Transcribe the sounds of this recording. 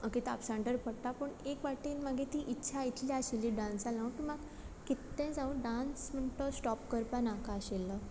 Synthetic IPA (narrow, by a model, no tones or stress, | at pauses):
əkit̪apsãɳʈəɾpəɽt̪apəɳekʋaʈinmaɡʱet̪iːʔitːɕʰait̪ʰljaəɕelːiɖãnsalãʋkĩmaɡ | kit̪ːɛ̃d͡zãʋũɖansm̤əɳt̪əsʈɔpkəɾpanakaəɕelə